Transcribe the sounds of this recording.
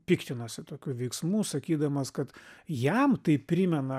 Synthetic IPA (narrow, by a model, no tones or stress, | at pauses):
pʲiːkt̪ʲɪnɐsʲɪt̪oːkʲuːʋʲɛɪksmuːsɐkʲiːd̪ɐmɐskɐt̪jɛmt̪ɐɪpʲɾʲimʲɛnɐ